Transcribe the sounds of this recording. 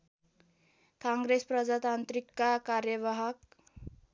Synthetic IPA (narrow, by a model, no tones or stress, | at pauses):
kãŋɡɾespɾʌd͡ʒat̪ant̪ɾikːakaɾjəʋaɦak